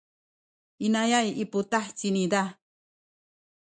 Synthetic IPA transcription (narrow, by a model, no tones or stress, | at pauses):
inajajipʊt̪aħt͡sinid̪a